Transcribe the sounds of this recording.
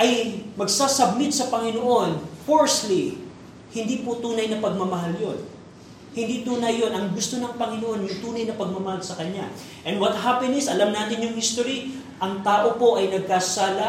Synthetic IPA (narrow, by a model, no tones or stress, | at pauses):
ʔɐjmɐɡsaːsɐbnɪt̪sɐpɐŋɪnoʔo̞nfoɹsli | hɪnd̪iːpʊt̪uːnɐjnɐpɐɡ̚mɐmɐɦaljo̞n | hɪnd̪it̪uːnɐjːo̞nʔɐŋɡʊst̪o̞nɐŋpɐŋɪnoʔo̞njʊŋt̪uːnɐjnɐpɐɡ̚mɐmɐhalsɐkɐɲa̰ | ʔɛnd̪wɐt̪̚hapɛnɪsɐlɐmnaːt̪ɪnjʊŋhist̪oɾi | ʔɐŋt̪aːʔo̞po̞ʔɐjnɐɡ̚kasaːlɐ